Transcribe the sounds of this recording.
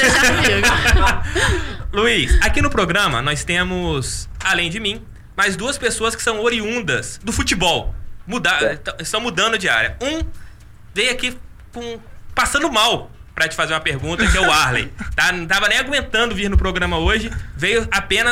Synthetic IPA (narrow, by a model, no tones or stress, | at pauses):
luisakinʊpɾoɡɾɐ̃mɐ̰nɔjst̪ẽmʊsalẽj̃d͡ʒɪmĩ | mazd̪uɐspesoɐskɪ̥sɐ̃w̃oɾiũnd̪ɐsd̪ʊfut͡ʃibɔwmud̪at̪ɐ̃ɪst̪ɐ̃w̃mud̪ɐ̃nd̪ʊɐd͡ʒia̰ɾiɐũ | vejaki | kũpasɐ̃nd̪ʊmaw | pɾɐt͡ʃɪ̥fazeɾũmɐpeɾɡũnt̪ɐkɪɛʊaɾlḛjt̪añt̪avɐnẽj̃aɡũẽnt̪ɐ̃nd̪ʊviɾnʊpɾoɡɾɐ̃mɐoʒɪvejʊapẽnɐ